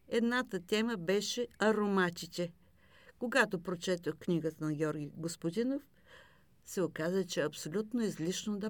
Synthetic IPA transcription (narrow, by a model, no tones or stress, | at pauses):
ɛd̪nat̪ət̪ɛməbɛʃɛɐɾomat̪it̪ʲɛ | koɡat̪opɾot͡ʃɛt̪oxknʲiɡət̪ənɐɡʲɔɾɡʲiɡospod̪inof | sɛokazət͡ʃɛɐpsolʲut̪noizlʲiʃnod̪ɐ